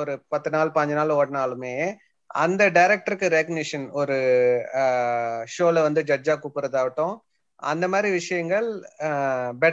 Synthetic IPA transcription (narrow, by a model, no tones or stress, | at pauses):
ɔɾɯpɐt̪ːɯnaːlpɐɲd͡ʒɐnaːloːɽɐnaːlɯmeː | ɐnd̪ɐɖɐɪɾɛk̚ʈɐɾɯkːɯɾeknɪʂɐnɔɾɯ | ʂoːlɐʋɐnd̪ɯd͡ʒɐd͡ʒaːkuːpːɯɾɐðaːʋɪʈːʊ̃ | ɐnd̪ɐmaːd̪ɾiʋɪʂɐjɐŋɡɐɭ | bɛ